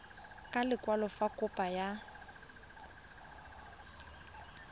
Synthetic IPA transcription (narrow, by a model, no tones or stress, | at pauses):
kʼalɪkʼwalɔfakʼʊpʼaja